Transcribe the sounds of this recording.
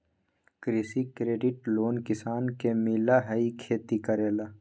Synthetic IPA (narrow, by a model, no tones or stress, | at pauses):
kɾisikɾeːɖiʈloːnkɪsaːnkemiːlaɦɐikʰeːt̪ikɐɾeːlaː